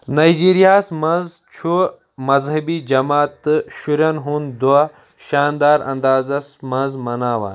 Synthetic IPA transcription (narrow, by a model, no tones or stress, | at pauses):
nɐjd͡ʑiːɾijaːsmɐnz | t͡ʃʰu | mɐzɦɐbid͡ʒɐmaːt̪ːɨɕuɾjɐnɦund̪uɐ | ʃaːnd̪aːɾɐ̰nd̪aːzɐsmɐnzmɐnaːwa̰ːn